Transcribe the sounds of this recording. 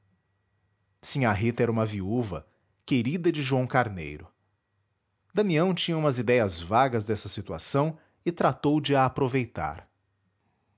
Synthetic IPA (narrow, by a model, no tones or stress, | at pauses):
sĩɲaɦit̪ɛɾɐũmɐviuvɐ̰ | keɾid̪ɐd͡ʒɪʒuɐ̃w̃kaɾnḛjɾʊ | d̪ɐ̃miɐ̃w̃t͡ʃĩɲɐũmɐzid̪ɛjɐzvaɡɐzd̪ɛsɐsit̪ua̰sɐ̃w̃ | ɪt̪ɾat̪owd͡ʒɪaːpɾovejt̪a̰ɾ